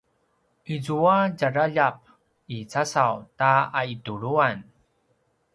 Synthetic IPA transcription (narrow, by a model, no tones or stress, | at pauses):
ʔizuaɟaɾaʎap̚ | it͡sasawtaaituɾuan